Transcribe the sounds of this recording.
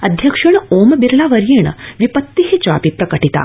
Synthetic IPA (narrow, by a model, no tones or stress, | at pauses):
əd̪ʱjəkʂəɳ̃ombiɾlaʋəɾjiɳ̃ʋipət̪ːiɦet͡ɕa̰pipɾɐkəʈit̪a̰